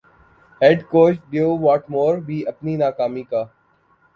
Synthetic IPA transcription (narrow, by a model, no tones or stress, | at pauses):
ɦeːɖkoːʃɖjoːʋɔːʈmoːɾbʱiːʔɐpninaːkaːmikaː